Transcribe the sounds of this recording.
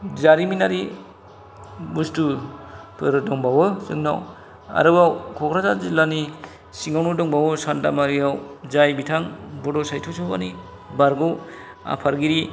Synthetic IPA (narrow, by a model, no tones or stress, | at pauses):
zaɾiminaɾi | bustupʰɯɾɯdɔŋbawɯsɯŋna̰w | a̰ɾɯbawkʰɔkʰɾazazilani | siŋawnudɔŋbawɔsandamaɾijawzajbitʰaŋbɔdɔsajtʰusɔbani | baɾɡɔw | a̰pʰaɾɡiɾi